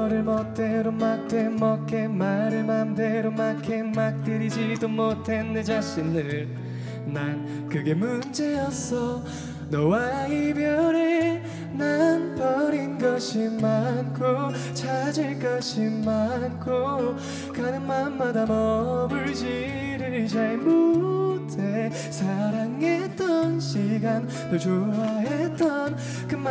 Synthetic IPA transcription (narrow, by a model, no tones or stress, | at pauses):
ʌɾɯɭmʌt͈eɾomak̚t͈ʰemʌk͈emaɾɯmandeɾomakʰemak̚t̪͈ɯɾid͡ʑidomotʰenːed͡ʑaɕ͈inːɯɭ | nan | kɯɡe̞mund͡ʑejʌsʰʌ | nʌwaibjʌɾe | nanpʌɾinɡʌɕʰimankʰot͡ɕʰad͡ʑiɭk͈ʌɕimankʰo | kanɯnmanmadamʌbɯɭd͡ʑi | ɾɯɭt͡ɕaɭmotʰe | sʰaɾaŋet͈ʌnɕʰiɡan | tod͡ʑoaɦet͈ʌn | kɯmː